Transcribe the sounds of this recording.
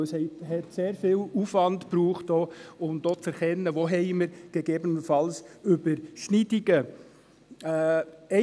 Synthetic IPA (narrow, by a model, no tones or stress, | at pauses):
ɛshɛɪthɛtseːɾfiːlufvɑndpɾuːχtd̥oːʊmd̥oːt͡sɛɾkɛnːəʋoɦɛɪməɾɡ̥eɡeːbənəfɑlsybəɾʃnidiɡə | ɛ